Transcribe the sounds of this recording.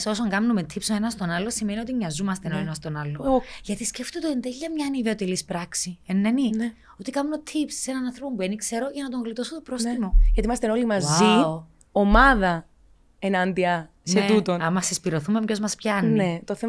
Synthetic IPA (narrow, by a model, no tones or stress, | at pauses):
so̞soŋɡɐmnomet̪ʰipsoenɐst̪o̞nɐlo̞simenio̞t̪imɲɐzumɐst̪enoenɐst̪o̞nɐlːoʝɐt̪isceft̪ot̪oend̪eʎːɐmɲɐniðeot̪elispɾɐksienːenin | ot̪ikɐmnot̪ʰipssenɐnɐnθɾopombuenikse̞ɾo̞ʝɐnɐt̪̬oŋɣlit̪o̞sot̪opɾo̞st̪imo̞jɐt̪imɐst̪enolimɐzio | omɐðɐ | enɐnd̪iɐ | set̪ut̪onɐmːɐsespiɾo̞θumemco̞zmɐspçɐnniet̪oθe